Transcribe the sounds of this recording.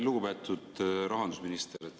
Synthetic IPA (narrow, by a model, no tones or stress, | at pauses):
luɡubet̪ːˑud̪ɾɑɦɑnd̪usminist̪eɾ